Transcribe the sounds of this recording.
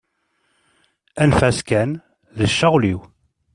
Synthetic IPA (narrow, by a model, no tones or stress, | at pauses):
ænfæskæn | ðəʃːəʁliw